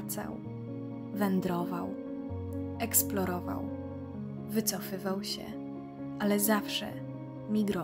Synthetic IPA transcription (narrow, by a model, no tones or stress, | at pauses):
t̪sa̰w | vɛnd̪ɾɔvaw | ɛksplɔɾɔva̰w | vɘt̪sɔfɘvawɕɛ̰ | ʔalɛzafʂɛ̰ | mʲiɡɾɔ